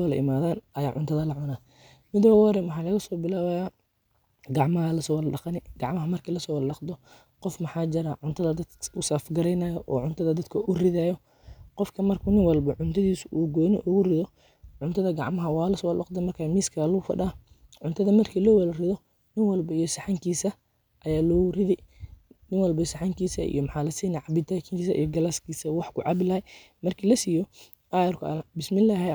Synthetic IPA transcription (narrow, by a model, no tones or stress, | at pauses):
lɐʔɪ̰maːðaːnɐjaːʕʊnt̪ʰɐðɐlɐʕʊnaː | mɪd̪wwɐɾɛmwɑħɑːlɐɣɐsɔːbɪlaːwajaː | ɡɑʕmɐɦɐlɐsɔːwlɗɑqnɪɡ̥ɑʕmɐɦɐmɐrkʰiːlɐsɔːwllɑqd̪ɔ | qɔfmɑħɑːd͡ʒɪɾaʕʊnt̪ʰɐðɐd̪ɐd̪ʊsaːfɡɐɾɛjnɐːjɔʔɔːʕʊnt̪ʰɐðɐd̪ɐd̪kʰɐʔʊrɪðaːjɔ | qɔfkʰɐmɐrkʰʊnɪnwɐlbɐʕʊnt̪ʰɐðiːsʔuːɡɔːnɪʔuɣʊrɪðɔ | ʕʊnt̪ʰɐðɐɡɑʕmɐɦɐwaːlɐswɐlɔ̰qd̪ɐmɐrkʰamiːskʰaːlɔfɐ̰ɗaː | ʕʊnt̪ʰɐðɐmɐrkʰiːlɔːwlrɪðɔ | nɪŋwɐlbɐijɔsɐħaŋkʰiːsɐ | ʔɐjaːlɔːrɪðɛjnɪŋwɐlbɐsɐħɑŋkʰiːsɐʔḭjɔmħɑːlɐsiːnɛʕɑbɪdt̪ʰaːkʰɪŋkiːsɐʔḭjɔɡɐlaskiːsɐwɑħkʰʊʕɑbɪlɐhɛj | mɐrkʰiːlɐsiːjɔ | ʔajɐrkʰʊɐbɪsmɪlaːɦ